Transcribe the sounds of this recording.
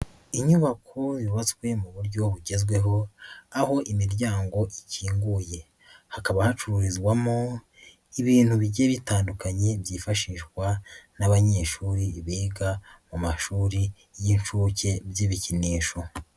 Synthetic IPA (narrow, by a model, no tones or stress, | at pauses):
iɲuβakʰoziβat͡swe̞muβuɾɟo̞βuɟe̞zɡwe̞ɦo̞aho̞ʔimiɾɟaːŋɡo̞ʔiciːŋɡuːje̞ | hakaβahat͡ʃuɾuɾizɡwamo | iβiːn̥huβiɟeβitaːndukaɲe̞bjiːfaʃiːʃɡwanaβaɲe̞ːʃuːɾiːβiːɡamumaʃuːɾi | jinʃuːce̞bjiβiciniːʃo̞